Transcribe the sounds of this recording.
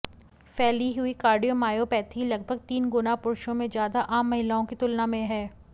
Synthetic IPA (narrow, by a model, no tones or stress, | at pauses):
fɛːliɦʊikaːɾɖijomaːjopɛːt̪ʰilɐɡ̚bʱəɡt̪iːnɡʊnapʊɾʃõmẽzjaːd̪aʔaːmːɐɦɪlaõkit̪ʊlnamẽɦɛː